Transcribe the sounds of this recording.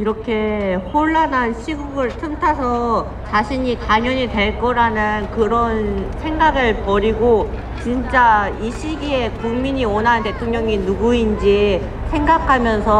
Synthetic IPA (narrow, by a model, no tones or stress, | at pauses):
iɾʌkʰe̞hoɭːanɦanɕʰiɡuɡɯɭtʰɯmtʰasʰʌ | t͡ɕaɕʰiɲitaɲʌɲidwe̞ɭk͈ʌɾanɯnkɯɾʌnsʰe̞ŋɡaɡɯɭpʌɾiɡo | t͡ɕint͡ɕ͈aiɕʰiɡiekuŋmiɲiwʌnɦante̞tʰoŋɲʌŋinuɡuind͡ʑi | sʰe̞ŋɡakʰamjʌnsʰʌ